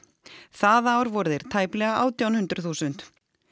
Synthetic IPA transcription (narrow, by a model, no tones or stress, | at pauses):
θaðaːwɾvɔɾðɪɾ̥t̪ʰaːjplɛɣaʔa̰ːwt̪jawnhʏnt̪ɾʏθuːsʏnt̪